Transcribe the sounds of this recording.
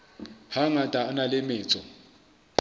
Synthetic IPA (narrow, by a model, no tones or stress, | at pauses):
haŋatʼaːnalɪmɪːt͡sʼɔ